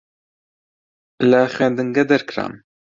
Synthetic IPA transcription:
laxwɛːnd̪ɨŋɡɐd̪ɛɾkɾa̰ːm

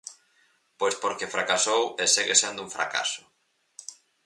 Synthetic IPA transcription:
poespoɾkefɾʔakasoweseɣesend̪ʊũɱfɾa̰ka̰sʊ̥

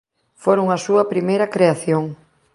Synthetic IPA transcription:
foɾoŋɐsuɐpɾimejɾɐkɾeaθjoŋ

